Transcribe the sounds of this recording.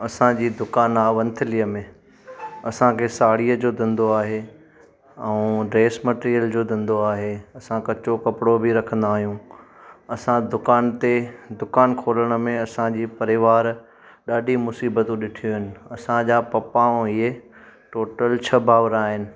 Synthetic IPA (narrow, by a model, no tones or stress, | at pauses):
ɐsãd͡ʑiːd̪ʊkaːnaːʋɐ̃nt̪ʰɪlijəmẽ | ɐsãkʰeːsaːɽiːəd͡ʑoːd̪ʱɪ̃nd̪oaːɦe | ɛ̃ũɖɾeːsmɐʈːɾijəld͡ʑoːd̪ʱɪ̃nd̪oaːɦeɐsãkɐt͡ɕokɐpɪɽobʱiɾɐkʰə̃nd̪aːɦijũ | ɐsãd̪ʊkaːnt̪ed̪ʊkaːnkʰoːləɽ̃ə̆mẽɐsãd͡ʑiːpɐɾɪʋaːɾ | ɗaːɗimʊsiːbət̪ũɗɪʈʰijoɦɪnɪ̆ɐsãd͡ʑaːpɐpaːõieʈoːʈəlt͡ɕʰɐbʱaːʋəɾaːɦɪnɪ̆